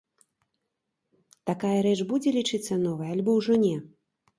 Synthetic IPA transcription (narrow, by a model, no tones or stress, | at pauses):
t̪akajɐɾɛt͡ʂbud͡zʲɛlʲit͡ʂɨt̪sːɐnɔvɐjalʲbɔwʐɔnʲɛ